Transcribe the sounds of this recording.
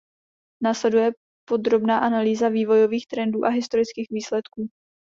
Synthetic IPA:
naːslɛdujɛ | po̞d̪ɾo̞bnaːʔanaliːzaviːvo̞jo̞viːxt̪ɾɛnduːʔaɦɪst̪o̞ɾɪt͡skiːxviːslɛt̪kuː

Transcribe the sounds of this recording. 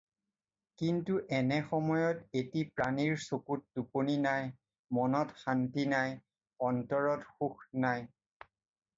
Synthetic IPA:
kintuʔɛnɛxɔmɔjɔtetipɹaniɹsokut̚duponinaj | mɔnɔtxantinaj | ɔntɔɹɔtxuxnaj

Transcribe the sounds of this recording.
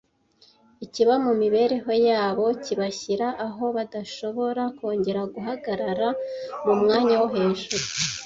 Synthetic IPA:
iciβamumiβe̞ɾe̞ɦo̞jaːβo̞ciβaçiɾaʔːɦo̞βadaʃo̞βo̞ɾako̞ːɲɟe̞ɾaɡuɦaɡaɾaɾamumŋaːɲawoɦe̞ːnʒuɾu

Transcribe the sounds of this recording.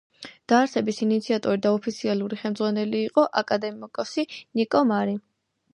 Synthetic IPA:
d̪̥aːɾsɛbisinit̪sʰiat̪ʼɔɾid̪aɔpʰit̪sʰialˠuɾiχɛlmd̪zʁwanɛliːqʼɔʔakʼad̪ɛmikʼɔsinikʼɔmaɾi

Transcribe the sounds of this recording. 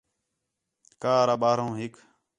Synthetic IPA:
kaːɾaːɓaːɾõːɦɪk

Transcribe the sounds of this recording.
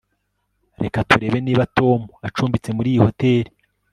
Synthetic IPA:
ɾe̞katuɾe̞ːβe̞niːβato̞ːmuat͡ʃuːmbit͡se̞muɾiːjiho̞te̞ɾi

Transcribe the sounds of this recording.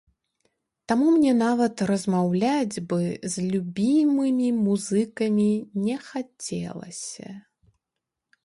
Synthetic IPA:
t̪amumnʲɛnavɐt̪rɐzmawlʲad͡zʲbɨzʲlʲubʲimɨmʲimuzɨkɐmʲinʲɛxat͡sʲɛ̰lˠɐ̰sʲɐ̰

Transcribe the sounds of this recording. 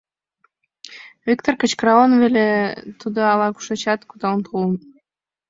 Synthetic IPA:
vʲikt̪orkət͡ɕkrɑonvelet̪ud̪oɑlɑku̥ʃet͡ɕɑt̪kut̪ɑnt̪ʰun

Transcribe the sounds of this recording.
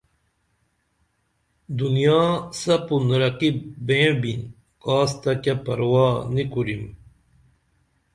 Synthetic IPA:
d̪unjaːsɐpunɾɐqibẽːbin | kaːst̪ɐkapɐɾwaːnikuɾim

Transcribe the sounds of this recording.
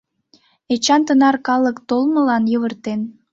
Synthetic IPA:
et͡ɕɑnt̪ənɑrkɑlˠəkt̪olˠmə̆lɑnjəβərt̪en

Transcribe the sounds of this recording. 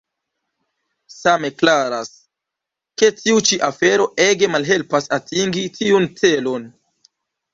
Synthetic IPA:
same̞klaɾas | ke̞tiut͡ʃiʔafe̞ɾo̞ʔe̞ɡe̞malɦe̞lpasatʰiŋɡitiunt͡se̞lo̞n

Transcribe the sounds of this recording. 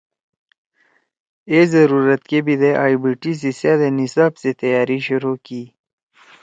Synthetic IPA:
ezɐɾuːɾət̪kebid̪eʔaːibiʈis̬isjaːd̪enisaːbset̪ɐjaːɾiʃʊɾukiː

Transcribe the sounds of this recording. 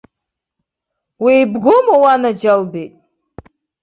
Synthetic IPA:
wijbɡʷʊmawanad͡ʒalbejtʼ

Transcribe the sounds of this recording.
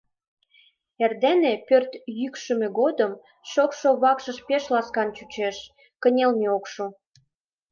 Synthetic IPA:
erd̪enĕpørt̪jykʃə̆mĕɡod̪əm | ʃokʃoβɑkʃəʃpeʃlɑskɑnt͡ɕut͡ɕeʃ | kə̆nʲelmeokʃu

